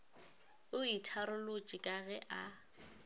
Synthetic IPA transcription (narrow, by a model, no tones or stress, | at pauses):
ʊitʰaɾʊlʊt͡ʃʼikʼaɣɛʔa